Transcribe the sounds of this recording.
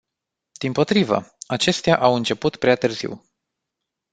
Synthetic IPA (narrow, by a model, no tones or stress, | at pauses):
d̪̥impo̞t̪ɾivə̰at͡ʃe̞st̪eaʔawɨnt͡ʃe̞put̪pɾeat̪ɨrzḭw